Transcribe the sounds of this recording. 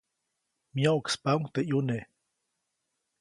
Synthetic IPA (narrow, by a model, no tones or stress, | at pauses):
mjaukspauŋt̪eʔjune